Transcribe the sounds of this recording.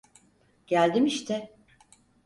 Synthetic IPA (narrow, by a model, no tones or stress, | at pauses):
ɟ̥ælʲd̪imiʃt̪ʰɛ